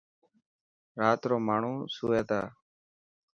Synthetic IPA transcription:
ɾaːt̪ɾoːmaːɳ̤ũːsuːeːt̪a̰ː

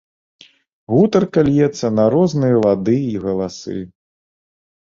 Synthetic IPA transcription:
ɣut̪ɐrkɐlʲjɛt̪sːɐnɐɾɔznɨjɐvad̪ɨiɣɐlˠasɨ̰

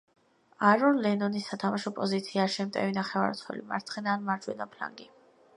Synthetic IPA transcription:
aɾɔnlɛnɔnisːat̪ʰamaʃɔpʼɔzit̪sʰiaʃɛmt̪ʼɛ̰vinaχɛva̰ɾt̪sʰχʰwɛ̰lḭma̰ɾt̪sχɛnaːnmaɾd͡ʒwɛ̰d̪apʰla̰ŋɡi

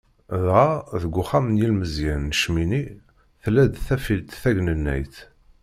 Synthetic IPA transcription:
ðʁaðəɡʷʊχæmənjilməzjænːəʃmini | θlæd̪θæfilt̪θæʝnənːæ̰jθ

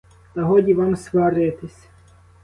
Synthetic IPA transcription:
t̪ɐɦɔdʲiʋɑmsʋɑɾɪjt̪ɪsʲ

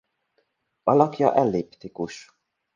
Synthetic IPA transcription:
ɒlɒkjɒ̰ʔɛlːeːpt̪ikuʃ

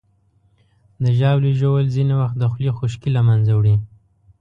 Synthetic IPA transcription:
d̪əʒɑwliʒowəlzinewaxt̪̚d̪əxlexuʃkilamanzawɽi

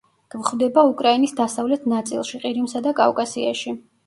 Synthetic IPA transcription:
ɡ̥vχvd̪ɛbaukʼɾainisd̪asavlɛt̪ʰnat̪sʼḭlˠʃiqʼiɾimsad̪akʼa̰vkʼasia̰ʃi

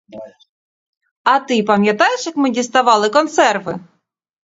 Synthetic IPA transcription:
at̪ɨpamʲjat̪ajɪʂɨkmɨdʲɪst̪avɑlˠɨkont̪sɛrvɨ̰

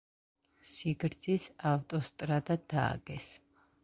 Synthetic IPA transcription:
siɡɾd̪z̥isavt̪ʼɔst̪ʼɾad̪ad̪̥a̰ːɡ̥ɛs

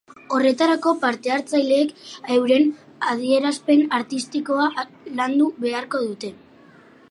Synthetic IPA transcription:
o̞re̞t̪aɾako̞paɾt̪e̞aɾt͡sajle̞ːkewɾe̞n | að̞ie̞ɾaspe̞naɾt̪ist̪iko̞a | land̪uβe̞aɾko̞ðut̪e̞

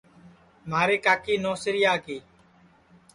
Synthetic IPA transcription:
maːɾeːkaːkiːnoːsɾɪjaːkiː

